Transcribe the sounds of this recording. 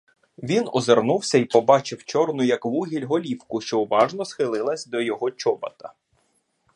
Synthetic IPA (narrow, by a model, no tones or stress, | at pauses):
ʋʲinɔzernuwsʲɐipɔbɑt͡ʃɪwt͡ʃɔrnʊjɐkʋuɦʲilʲɦɔlʲiwkʊʃt͡ʃɔʊʋɑʒnɔsxɪlˠɪlˠɐsʲd̪ɔjɔɦɔt͡ʃɔbɐ̰t̪ɐ̥